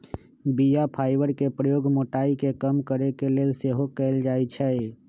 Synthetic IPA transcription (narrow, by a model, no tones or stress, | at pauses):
bijapʰaːɪbəɾkepɾəjoːɡmoʈaːikekəmkəɾekeleːlseɦokɛld͡ʒaːɛt͡ʃʰɛ